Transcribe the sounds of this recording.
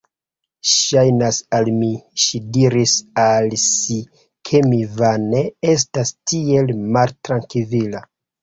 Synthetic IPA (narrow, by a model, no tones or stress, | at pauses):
ʃajnasalmiʃidiɾisalsi | kʰe̞mivane̞es̬tastie̞lmaltɾaŋkivila